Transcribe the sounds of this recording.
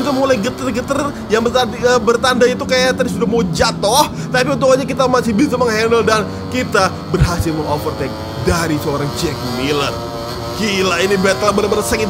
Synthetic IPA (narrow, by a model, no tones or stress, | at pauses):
ut̪umulajɡət̪ərɡət̪ər | jaŋbəaəbərt̪andait̪ukajat̪adisudahmaod͡ʒat̪ɔh | t̪apiunt̪ukaɲakit̪amasɪhbisəməŋɦɛnəldan | kit̪a | bərɦasɪlməŋofərt̪ɛk̚ | daɾisəoɾaŋd͡ʒɛk̚milər | kilainibɛt̪labənabanasɛŋi